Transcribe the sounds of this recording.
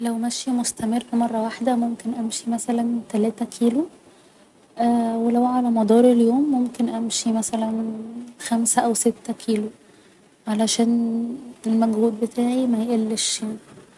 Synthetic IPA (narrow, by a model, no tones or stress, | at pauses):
læwmæʃjimost̪æmerːmɑrˤːɑwaħd̪æmomkenʔæmʃimæsælænt̪ælæːt̪ækʰiːlu | ʔæːwelæwʕalæmɑd̪ˤɑːɾˤeljoːmːomkenʔæmʃimæsælænxæmsæʔæwset̪ːækʰiːlo | ʕalæʃæːn | elmæɡhuːd̪̚bet̪ʰaːʕimæjʔelːeʃan